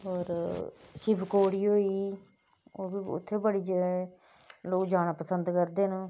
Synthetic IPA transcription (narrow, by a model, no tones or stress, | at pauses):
ɔːɾʃɪbkoːɽiːɦoːiiː | oːbiːʊ̰t̪ʰːeːbəɽiːd͡ʒ | loːkd͡ʒaːɽ̃aːpəsənd̪kəɾd̪eːnː